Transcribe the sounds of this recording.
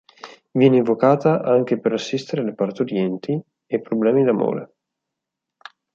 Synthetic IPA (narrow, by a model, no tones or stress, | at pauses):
vjɛːneiɱvokaːt̪aʔaŋk̟epeɾasːist̪eɾealepart̪eoɾjɛnt̪i | epːɾoblɛːmid̪amo̰ːɾḛ